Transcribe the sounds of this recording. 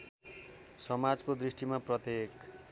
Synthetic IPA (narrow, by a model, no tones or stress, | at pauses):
sʌmad͡zkod̪risʈimaprʌt̪jek